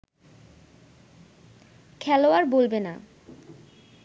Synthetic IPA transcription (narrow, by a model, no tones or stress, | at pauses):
kʰɛloaɾbolbena̰